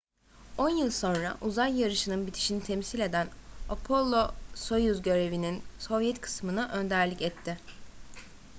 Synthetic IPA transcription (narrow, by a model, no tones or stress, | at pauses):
o̞njɯlˠso̞nɾa̰ʔuzajːaɾɯʃɯnɯnbit̪ʰi̥ʃinit̪ʰemsilʲe̞d̪ænapʰo̞lˠːoso̞juzɟø̞ɾe̞vininso̞vjɛt̪kʰɯ̥smɯnaʔø̞nd̪æɾlʲicɛt̪ʰːɪ